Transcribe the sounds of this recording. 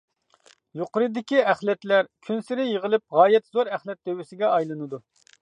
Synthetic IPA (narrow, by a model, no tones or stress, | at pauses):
joqʊɾɨd̪ɪkʲiæχlɛt̪læɾkʲʰynsɪɾɪjəʁəlˠɪp̚ʁɑːjɛt̪zoɾɛχlɛt̪̚d̪ewɪsɪɡʲɛɑjlˠɨnɨd̪u